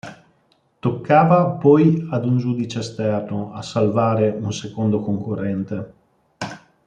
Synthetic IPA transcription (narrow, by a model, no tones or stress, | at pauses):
t̪okːaːvapɔjad̪und͡ʒuːd̪it͡ʃeest̪ɛrnoasalvaːɾeunsekond̪okoŋkorːɛnt̪e